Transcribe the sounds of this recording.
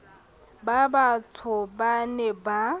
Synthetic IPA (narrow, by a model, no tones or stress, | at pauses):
babatʰʊbanɛba